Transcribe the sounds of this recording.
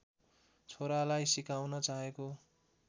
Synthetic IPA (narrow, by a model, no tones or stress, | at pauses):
t͡sʰoɾalajsikawnʌt͡saɦeko